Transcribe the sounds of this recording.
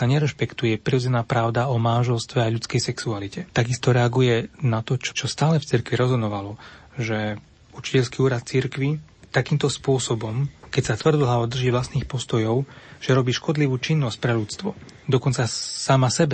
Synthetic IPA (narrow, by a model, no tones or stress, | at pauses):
saɲɛɾɛʃpɛkt̪ujɛpɾiɔd͡zɛnaːpɾaʊd̪aɔmanʒɛlst̪ʋɛaʎut͡skɛjsɛksualicɛt̪aɡist̪ɔɾɛaɡujɛnat̪ɔt͡ʃɔ̥t͡ʃɔst̪aːlɛft͡siɾkʋiɾɔzɔnɔʋalɔ | ʒɛ | ut͡ʃi̥cɛʎskiuːɾat̪̚t͡siɾkʋi | t̪akiːmt̪ɔspʊɔsɔbɔmkɛcsat̪ʋr̩d̪lɦaɔd̪r̩ʒiːʋlasniːxpɔst̪ɔjɔʊʒ̥ɛɾɔbiːʃkɔd̪liʋuːt͡ʃinːɔsc̚pɾɛʎut͡st̪ʋɔd̪ɔkɔnt͡sasamasɛbɛ